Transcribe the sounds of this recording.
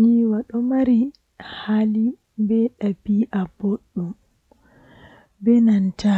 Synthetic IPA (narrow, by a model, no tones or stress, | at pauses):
ɲiwaɗɔmaɾi | hali | bɛɗabiʔaboɗːum | bɛnanta